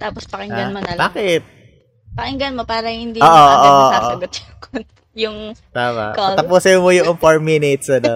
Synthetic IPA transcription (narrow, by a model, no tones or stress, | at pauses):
t̪aːpospɐkɪŋɡɐnmɐnɐlbaːkɛt̪̚ | pɐkɪŋɡɐnmopaːɾɐhɪnd̪ioːʔoʔoːʔoʔoʔoɐɡot̪̚jʊŋkʰont̪ | jʊŋt̪aːmɐ̰ʔkɐt̪ɐpuːsɐmojʊŋʔɐŋfoɹminet̪sɐno